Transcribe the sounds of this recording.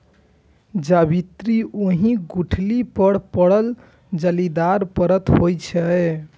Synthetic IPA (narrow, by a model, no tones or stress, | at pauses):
d͡ʒabit̪ɾiʔoɦĩɡuʈʰlipəɽpəɽəl | d͡ʒəlid̪aɾpəɾət̪ɦojt͡ʃʰə